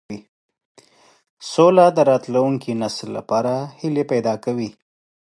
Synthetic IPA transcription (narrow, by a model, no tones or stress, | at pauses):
i | solad̪əɾɑt̪lawuŋkinaslːa̰pɑɾahilepajd̪ɑkawi